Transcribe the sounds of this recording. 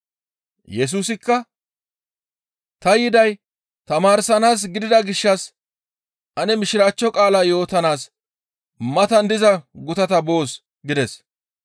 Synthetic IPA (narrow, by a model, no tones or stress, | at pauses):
jɛs̬uːsɪkːɐ | t̪ɐjɪd̪ɐj | t̪ɐmaːɾsɐnaːs̬ɡɪd̪ɪd̪ɐɡɪʃːɐs | ʔɐnɛmɪʃɪɾaːt͡ʃːɔkʼaːlaːjo̞ːt̪ɐnaːs | mɐt̪ɐnd̪ɪzɐɡʊt̪ɐt̪ɐbo̞ːs | ɡɪd̪ɛs